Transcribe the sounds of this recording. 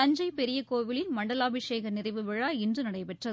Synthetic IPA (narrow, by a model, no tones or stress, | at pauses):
ɐɲd͡ʒɐɪpɛɾɪjɐkoːʋɪlɪnmɐɳɖɐlaːbɪʂeːɣɐnɪrɐɪʋɯʋɪɻaːɪndrɯnɐɽɐɪpɛʈrɐðɯ